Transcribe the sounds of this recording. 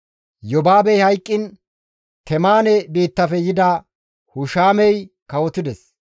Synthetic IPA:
jɔbaːbɛjhɐjkʼːɪn | t̪ɛmaːnɛbiːt̪ːɐfɛjɪd̪ɐ | hʊʃaːmɛj | kɐwɔt̪ːɪd̪ɛs

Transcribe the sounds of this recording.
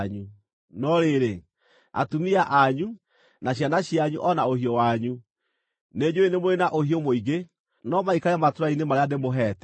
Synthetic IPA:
ɲu | nɔɾeɾe | a̰tumiaʔaɲu | naɕjanaɕiaɲṵʔɔnaohiɔwaɲu | ned͡ʑoenemoɾenaʔohiɔmoiɡe | nɔmaikaɾamatoɾainemaɾeademoɦɛːtɛ

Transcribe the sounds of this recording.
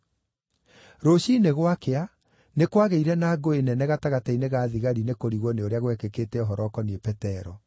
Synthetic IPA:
ɾoɕineɣwakea | nekwaɣeiɾɛnaːɡoenɛnɛɣataɣataineɣaːðiɣaɾinekoɾiɣwɔneoɾeaɣwɛkekeːtɛɔɦɔɾɔkɔniepɛtɛɾɔ

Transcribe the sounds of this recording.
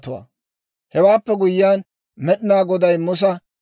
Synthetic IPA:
t̪ʊwa̰ː | hɛwaːpːɛɡʊjːjaːn | mɛɗɪnaːɡɔd̪ɐjmʊs̬ɐ

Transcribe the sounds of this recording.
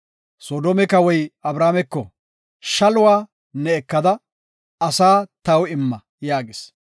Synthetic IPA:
soːd̪oːmɛkɐwɔjɐbɾaːmɛkːɔ | ʃɐlʊwaː | nːɛːkːɐd̪ɐ | ɐsaːt̪ɐwɪmːɐ | jaːɡɪs

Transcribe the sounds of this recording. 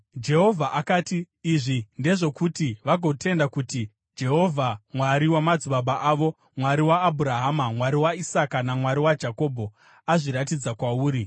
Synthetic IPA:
d͡ʒe̞ɦo̞vʱaʔakaːtiː | ʐinde̞ʐo̞kutiʋaɡʱo̞tʰe̞ndakuti | d͡ʒe̞ɦo̞vʱamwaɾiwamad͡zuɓaɓaʔaːʋo̞ | mwaɾiwaːbʱuɾaɦamamwaɾiwaisakanamwaɾiwad͡ʒako̞bʱo̞ | aʐiɾatid͡zakwauːɾi

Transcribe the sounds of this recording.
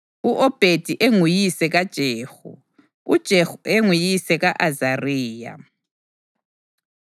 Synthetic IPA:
uʔɔb̥ʱed̥ʱiʔeŋujisɛɣad̥ʒ̥ʱeːxṵ | ud̥ʒ̥ʱexueŋujisɛɣaʔazariːja̰

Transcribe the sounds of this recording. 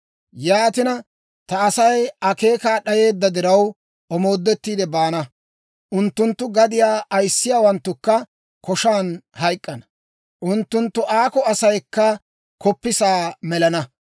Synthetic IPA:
jaːt̪ɪnɐ | t̪ɐːsɐjɐke̞ːkaːɗɐje̞ːd̪ːɐd̪ɪɾɐw | ɔmo̞ːd̪ːɛt̪ːiːd̪ɛbaːnɐ | ʔʊnt̪ːʊnt̪ːʊɡɐd̪ɪjaːʔɐjsːɪjaːwɐnt̪ːʊkːɐ | kɔʃaːnhɐjkʼːɐnɐ̥ | ʔʊnt̪ːʊnt̪ːʊʔaːkɔɐsɐjkːɐ | kʰɔpːɪsaːmɛlɐnɐ

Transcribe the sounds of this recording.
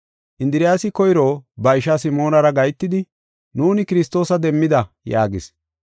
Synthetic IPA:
ʔɪnd̪ɪɾɪjaːsɪkɔjɾoːbɐɪʃɐsɪmo̞ːnɐɾɐɡɐjt̪ːɪd̪ɪ | nuːnɪkɪɾɪst̪ːo̞ːsɐd̪ɛmːɪd̪ɐ | jaːɡɪs

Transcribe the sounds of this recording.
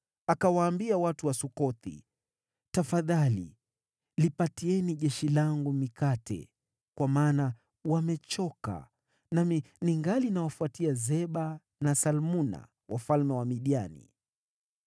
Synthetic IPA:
akawaːmbiawatuwasukɔt̪ḭ | tafaðalḭ | lipatiɛniʄɛʃilaŋɡumikatɛ̰ | kwamaːna | wamɛt͡ʃɔka̰ | naminiŋɡalinawafuatiazɛɓa | nasalmuna̰ | wafalmɛwamiɗianḭ

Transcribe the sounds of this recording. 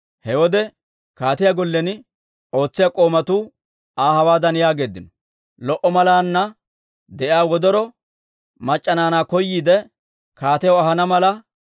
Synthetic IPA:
hɛwɔd̪ɛ | kaːt̪ɪjaɡɔlːɛn | o̞ːt͡sːɪjakʼo̞ːmɐt̪uː | aːhɐwaːd̪ɐnjaːɡe̞ːd̪ːɪnɔ | lɔʔɔmɐlaːnːɐ | d̪ɛʔjaːwɔd̪ɔɾɔ | mɐt͡ʃʼːɐnaːnaːkɔjːiːd̪ɛ | kaːt̪ɛjɔɐɦɐnɐmɐlɐ

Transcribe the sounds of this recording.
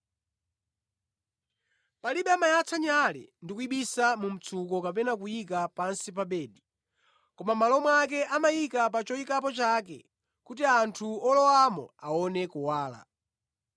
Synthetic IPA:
paliɓɛamajat͡sʰaɲalɛ̰ndikuiɓisamum̩t͡sʰukɔkapɛnakujikapansip̬aɓɛːɗi | kɔmamalɔmwak̬ɛʔamajikap̬at͡ʃɔikap̬ɔt͡ʃak̬ɛ̰ | kutiantʰuɔlɔwamɔ̰aɔnɛkuwaːla̰

